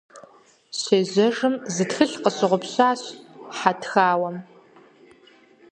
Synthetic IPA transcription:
ɕeːʑɐʐɨmzɨtxɨɬqəɕɪʁʷʊpɕaːɕħatʰxaːwɐm

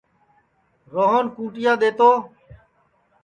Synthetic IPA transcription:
ɾoːɦonkũːʈɪjãːd̪eːt̪oː

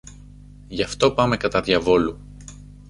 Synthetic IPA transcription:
ʝɐft̪o̞pɐme̞kɐt̪ɐðʝɐvo̞lu

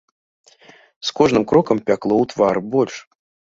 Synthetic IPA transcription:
skɔʐnɨmkɾɔkɐmpʲaklˠɔwt̪varbɔlʲʂ

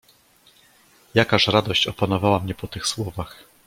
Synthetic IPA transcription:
jakaʂɾad̪ɔɕt͡ɕɔpanɔvawamɲɛpɔt̪ɘxswɔvax

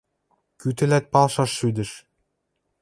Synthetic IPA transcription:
kyt̪ɘ̆læt̪̚pɑlˠʃɑʃːyd̪ɘ̆ʃ

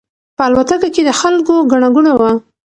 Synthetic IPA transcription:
pəalwat̪akaked̪əxalkoɡaɳ̃aɡunawa

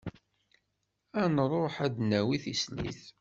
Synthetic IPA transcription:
ænrˤoħæd̪næwiθislḭθ

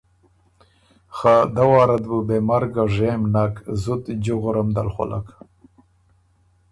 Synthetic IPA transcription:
xad̪awɑːɾad̪bubemaɾɡaʐemnakzut̪d͡ʒuɣʊɾamd̪a̰lxʊ̰lʔa̰k

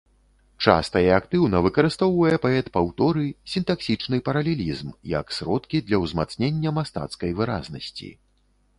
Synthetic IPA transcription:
t͡ʂa̰st̪ɐjɛakt̪ɨwnɐvɨkɐɾɨst̪ɔwvɐjɛpaɛt̪pawt̪ɔɾɨsʲint̪aksʲit͡ʂnɨpɐɾɐlʲɛlʲizmjɐ̰ksɾɔt̪kʲid̪lʲɐwzmat̪snʲenʲːɐmast̪a̰t̪skɐjvɨɾa̰znɐ̰sʲt͡sʲḭ

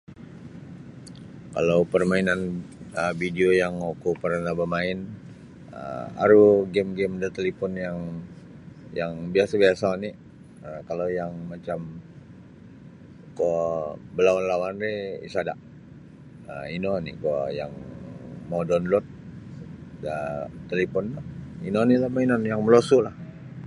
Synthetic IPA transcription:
ka̰lawpərmainanəbideojaŋokupərnabamaɪn | ə̰a̰ɾuɡɛmɡɛmdət̪elipɔnjaŋ | jaŋbiasabiasanɪ | əkalawjaŋmat͡ʃam | kɔbəlawanlawanreḭsadaʔ | əinɔnḭkɔja̰ŋ | modɔnlɔt̪̚ | dəːəlipɔntɔinɔnilahmainɔnjaŋməlosulah

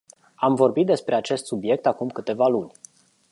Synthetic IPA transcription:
amvo̞rbit̪̚d̪e̞spɾe̞at͡ʃe̞st̪subje̞k̚t̪akumkɨt̪e̞valunʲ

